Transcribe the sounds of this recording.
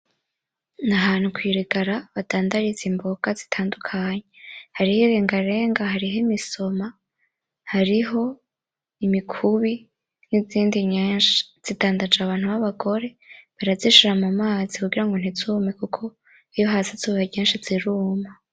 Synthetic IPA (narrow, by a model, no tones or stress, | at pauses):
naɦaːn̥hukwiːɾiɡaɾaβadaːndaɾizimboɡ̥azi̥tʰaːndukʰaɲehaɾiheɾeːŋɡaɾe̞ːŋɡahaɾiɦemiso̞ma | haɾiɦo̞ | imikʰuβi | niziːndiɲeːnʃḁz̥idaːndad͡ʒaβaːnhuβaβaɡo̞ɾe̞βaɾaziʃiɾamumaːzikuɡiɾaŋɡo̞n̥izuːmekukʰo̞ | ijo̞ɦazazuːβaɲeːnʃaz̥iɾuːma